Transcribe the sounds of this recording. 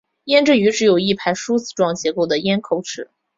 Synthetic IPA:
jɛ˥nʈ͡ʂɻ̩˥˩y˧˥ʈ͡ʂɻ̩˧˥jo˨˩ʊi˥˩pʰa˧˥ɪʂu˥t͡sɹ̩˥˩ʈ͡ʂwɑ˥ŋt͡ɕjɛ˧˥ko˥˩ʊd̪ə˩jɛ˥nkʰo˥˧˩ʊʈ͡ʂʰɻ̩˧˩˦

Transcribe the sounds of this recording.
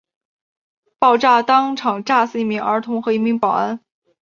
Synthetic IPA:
pɑ˥˧ʊʈ͡ʂa˥˩t̪ɑ˥ŋʈ͡ʂʰɑ˨˩ŋʈ͡ʂa˥˧sɹ̩˥˧i˧˥˩mi˧˥ŋə̰˞˧˥t̪ʰʊ˧˥ŋxɤ˧˥i˧˥mi˧˥ŋpɑ˨˩ʊa˥n

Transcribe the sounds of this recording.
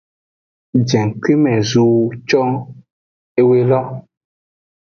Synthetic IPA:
d͡ʒɛ̃˨ŋ˨ki˦mɛ̃˨zu˨t͡ʃɔ˦ | e˦we˦lɔ˦

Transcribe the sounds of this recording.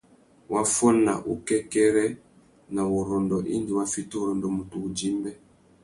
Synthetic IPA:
wʔa˦fɔ˦na̰˨ʔu˨kɛ˦kɛ˦ɾɛ˦ | na˨u˨ɾɔ˨ndɔ˨ʔi˦ndi˨wa˦fi˦tu˦u˨ɾɔ˨ndɔ˨mu˨tuː˨d͡ʒi˦mbɛ˦

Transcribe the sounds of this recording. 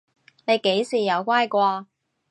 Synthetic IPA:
ne˨˧jke˨˥jsiː˨˩jɐ˨˧wkʷaː˥jkʷaː˧

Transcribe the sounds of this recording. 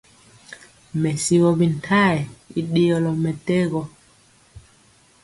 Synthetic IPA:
mɛ˨si˨wɔ˨bi˨n˨tʰa˦˨ɛ˨i˨ɗi˦jɔ˨lɔ˨mɛ˨te˦ɣɔ˨

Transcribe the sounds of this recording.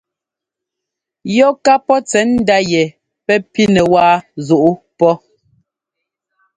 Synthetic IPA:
jɔ˦ka˦pɔ˦t͡sɛ˨˦n̩˦da˦jɛ˨ | pɛ˦pi˦nɛ˨waː˦zu˨ʔu˦ | pɔ˦

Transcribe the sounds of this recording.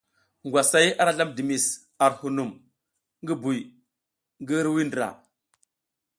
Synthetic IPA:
ŋɡwa˨sa˦ja˦ɾa˦ɮa˦mdi˨mi˨s | a˨ɾhu˨nu˨m | ŋɡi˦bu˨j | ŋɡi˦ɾwi˦ndɾa̰˨

